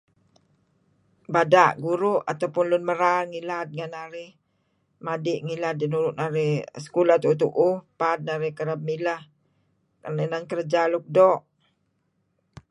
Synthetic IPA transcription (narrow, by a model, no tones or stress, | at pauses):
badaʔɡuɾuʔat̪awpʊnlʊnməɾalŋilat̪̚ŋanaɾɪh | madɪʔŋilat̪̚dinuɾʊʔ̪̚naɾɪhsə̥kulat̪ut̪uʔʊpat̪̚naɾɪhkəɾəb̚milah | kananankəɾd͡ʒaluk̚dɔʔ